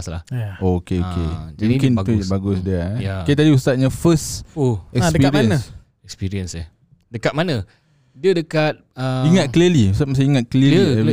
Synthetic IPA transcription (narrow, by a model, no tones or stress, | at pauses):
sla̰hokeokḛũmkɪnt̪ubaɡʊsdiəakat̪̬adiust̪at̪̚ɲafəstoɛkassəpiɾiəna | ɛkspiɾiənsə | dəkat̪̚manə̃ | diədəkat̪̚əiŋat̪kəliəliust̪at̪mas̬aiŋat̪̚kəliəi